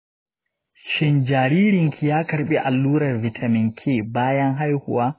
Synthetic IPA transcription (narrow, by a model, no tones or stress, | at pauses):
ʃind͡ʒaːɾiːɾiŋkʰijaːkaɾɓiʔalːuːɾɐɾvitʰamiŋkʰibaːjanɦajhṵwa